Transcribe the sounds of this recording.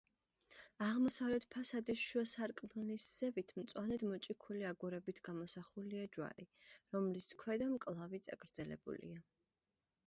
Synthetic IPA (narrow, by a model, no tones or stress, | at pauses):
aʁmɔsavlɛt̪ʰpʰasad̪isʃɔsaɾkʼmnisz̥ɛvit̪ʰmt̪sʼwanɛd̪mɔt͡ʃʼikʰuliaɡuɾɛbit̪ʰɡ̥amɔsaχuliad͡ʒwa̰ɾiɾɔmliskʰwɛd̪amkʼlˠavit̪sʼaɡɾd̪zɛlɛ̰bṵlḭa